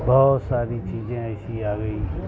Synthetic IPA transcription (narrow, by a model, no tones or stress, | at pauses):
bɔːt̪saːɾiːt͡ʃiːzẽːəɪsiːaːɡəiː